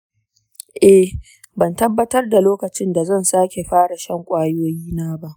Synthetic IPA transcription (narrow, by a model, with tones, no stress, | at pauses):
ʔɛ˨ | bɐ˨ntɐ˦bːɐ˦tɐ˦rda˨loː˦kɐ˨t͡ʃɪ˦nda˨zɐ˦˨nsaː˦kʲe˨ɸaː˦ɽa˨ʃɐ˦ŋkʷʼaː˦joː˦jiː˦naː˦ba˦ʔ